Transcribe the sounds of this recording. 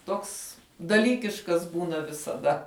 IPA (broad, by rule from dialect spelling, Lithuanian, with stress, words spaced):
ˈtoːks dɐˈlʲiːkʲɪʃkɐs ˈbuːnɐ ʋʲɪsɐˈdɐ